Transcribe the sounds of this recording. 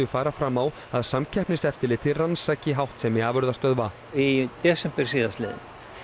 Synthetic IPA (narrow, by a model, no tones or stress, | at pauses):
ʏfaːɾafɾamːaw | aðsamcʰɛhpnɪsɛft̪ɪlɪt̪ʰɪransaːcɪɦawht̪sɛmɪaːvœɾðast̪œðva | it̪ɛːsɛmpɛɾ̥siːðast̪lɛ̰ːðɪ